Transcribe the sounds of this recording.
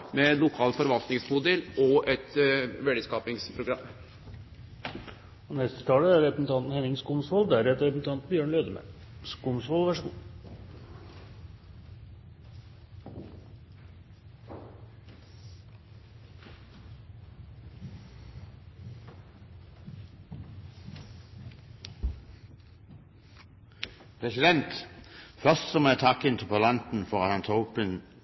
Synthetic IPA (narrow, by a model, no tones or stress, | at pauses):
mɛnlʊkʰɑːlfɔɾʋɑlt̪nɪŋsmʊd̪ɛlɔʔɛt̪ʋɛɖ̪əskɑːpɪŋspʰɾʊɡɾɑmː | ɔnɛst̪ə̥t̪ʰɑːləæɾɾɛpɾəsn̩t̪ʰɑnt̪n̩hɛnɪŋskʊmsʋɔld̪æɾɛt̪ɾɛpsn̩t̪ɑnt̪bjøːɳleːd̪əmæ̰ | kumsʋɔlˠʋæʂəɡṵː | pʰʁɛsɪd̪ɛnt̪fœʁst̪sɔmet̪ʰɑkɪnt̪ʰɪpʰolɑnt̪n̩fɔʁɑt̪ɑnt̪ʰɑʊpən